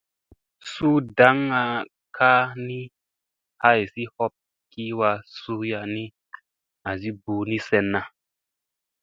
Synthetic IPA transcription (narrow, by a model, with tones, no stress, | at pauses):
su˦da˨˦ŋa˧ | kʰa˦ni˦ | ha˦jsi˦hɔ˦p̚ | ki˦wa˧su˦ja˧ni˦ | a˨zi˦bu˧ni˦sɛ˧nːa˨